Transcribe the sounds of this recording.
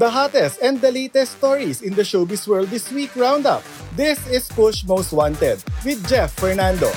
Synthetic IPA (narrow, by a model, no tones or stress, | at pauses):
d̪ɐɦat̪ɛst̪ɛ̃n̚d̪ɐleːt̪ɛst̪ɔɹisɪ̃nd̪ɐʃobiswɜɹld̪ɪswiːkɹãw̃nd̪ʌ̰p̚ | d̪ɪsɪspʊʃ̚moʊst̪̚wãnt̪ɛd̪̚wɪd̪̚d͡ʒɛfːɛɹnãnd̪o